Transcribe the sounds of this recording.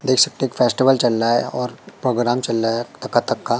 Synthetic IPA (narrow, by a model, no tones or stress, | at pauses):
d̪eːkʰsɐk̚t̪eeki̥fʰeːsʈɪʋəlt͡ʃɐlɾaɦɛɔːɾpɾoːɡɾaːmt͡ʃɐlːaɛt̪ɐkːat̪ɐkʰːa